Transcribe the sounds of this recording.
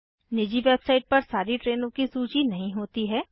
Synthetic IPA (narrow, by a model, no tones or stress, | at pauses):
nɪd͡ʒiʋeːbsaːɪʈ̚pɐɾsaːɾiʈɾeːnõkisuːt͡ʃinɐɦĩɦoːt̪iɦɛː